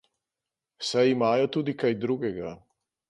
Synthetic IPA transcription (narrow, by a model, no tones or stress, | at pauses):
wsajimaːjɔt̪uːd̪ikajd̪ɾuːɡɛɡa